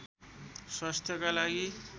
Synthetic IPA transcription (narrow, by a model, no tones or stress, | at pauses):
swast̪ʰjʌkalaɡi